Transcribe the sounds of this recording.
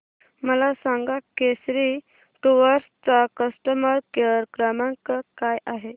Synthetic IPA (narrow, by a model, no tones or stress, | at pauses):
məlasãŋɡakesɾi | ʈuʋəɾst͡sakəsʈəməɾkeɾkɾəmãŋkəkajaɦe